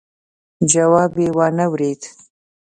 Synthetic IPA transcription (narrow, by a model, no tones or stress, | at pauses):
d͡ʒawɑbewɑnawɾed̪